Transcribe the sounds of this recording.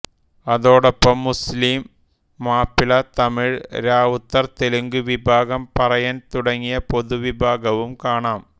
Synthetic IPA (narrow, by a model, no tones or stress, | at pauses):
ɐðoːɽɐpːɐmːʊsliːmː | aːpɪlɐt̪ɐmɪɻɾaːʋʊt̪ːɐɾt̪ɛlɯŋɡɯʋɪbʱaːɣɐmpɐrɐjɐnt̪ʊɽɐŋɡɪjɐpɔðɯʋɪbʱaːɣɐʋɯmkaːɳaːm